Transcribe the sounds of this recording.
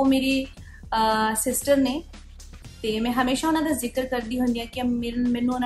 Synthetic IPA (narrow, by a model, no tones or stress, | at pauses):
omeːɾi | sɪsʈəɾne | t̪eːmɛ̃ːɦɐmeːʃaʊnãd̪azɪkəɾkəɾd̪iːɦʊ̃nd̪ijãːkimɛ̃ːnːũʊnã